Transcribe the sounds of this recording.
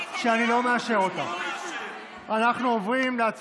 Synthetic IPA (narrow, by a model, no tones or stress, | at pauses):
ʃeanilo̞meaʃe̞ʁot̪a̰ | anaχnuovʁimleat͡s